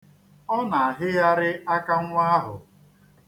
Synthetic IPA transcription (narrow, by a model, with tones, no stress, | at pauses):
ɔ˦na˨a˨ɦɪ˦ja˦ɾɪ˦a˦ka˦ŋʷ˦a˦a˦ɦʊ̰˨